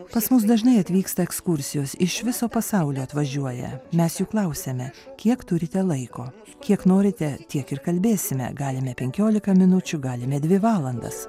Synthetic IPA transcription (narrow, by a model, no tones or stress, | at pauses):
pɐsmʊsd̪ɐʒnɐɪɐt̪ʲʋʲiːkst̪ɐɛkskʊɾʲsʲɪjoːsɪʃʋʲɪsoːpɐsɑʊlʲoːɐt̪ʋɐʒʲuɔjɛ̰mʲɛsjuːklˠɐʊsʲɛmʲɛkʲiɛkt̪ʊɾʲɪt̪ʲɛlˠɐɪkoː | kʲiɛknoːɾʲɪt̪ʲɛt̪ʲiɛkɪɾkɐlʲbʲeːsʲɪmʲɛ̰ɡɑːlʲɪmʲɛpʲɛŋʲkʲoːlʲɪkɐmʲɪnʊt͡ʃʲʊɡɑːlʲɪmʲɛd̪ʲʋʲɪʋɑːlˠɐnd̪ɐ̰s